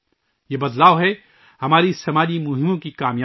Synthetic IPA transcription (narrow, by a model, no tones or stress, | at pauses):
jeːbɐd̪laːoɦɛ | hɐmaːɾisɐmaːd͡ʒimʊɦɪmõkikaːmjaː